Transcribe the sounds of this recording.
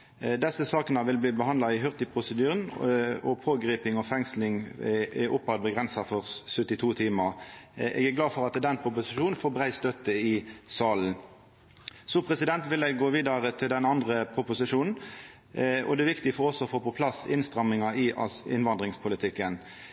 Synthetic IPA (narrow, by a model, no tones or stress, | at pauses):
d̪ɛsːəsɑːknəʋɪlbliːbəhɑnd̪lɑɪɦœʁt̪ɪpʰʁʊsəd̪yːʁənɔ̰pʰoːɡɾiːpɪŋɔfɛŋslɪŋɛʔʊpːɑd̪̚bəɡʁɛnsɑfɔʁsœt̪ːɪt̪ʰuːt̪ʰiːmɑʔɛ̰ːɡæɡlɑːfɔʁɑt̪d̪ɛnpʰʁʊpʊsɪʃuːnn̩foːbʁæɪst̪œt̪ːəɪsɑːln̩ | sɔpʰʁɛsɪd̪ɛnt̪ʋɪlɛɡːoːʋiːd̪ɑʁət̪ʰɪld̪ɛnɑnd̪ʁəpʰʁʊpʊsɪʂuːnn̩ | ɔ̰d̪ɛːʋɪkt̪ɪɡfɔʁɔsɔːfoːpɔpʰlɑsɪnst̪ʁɑmɪŋɑʔɪʔɑɪ̰nʋɑnd̪ʁɪŋspʰʊlɪt̪ʰɪkːən